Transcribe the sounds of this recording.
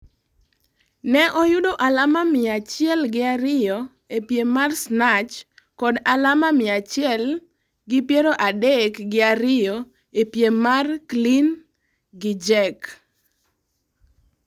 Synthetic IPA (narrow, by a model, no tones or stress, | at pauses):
nɛʔɔjʊdoʔalamamɪat͡ʃjɛlɡɪaɾɪjɔ | epjemarsnat͡ʃ | kɔdalamamɪat͡ʃɪɛl | ɡɪpjeɾoʔadekɡɪaɾɪjɔ | epjemarklin | ɡɪd͡ʒɛk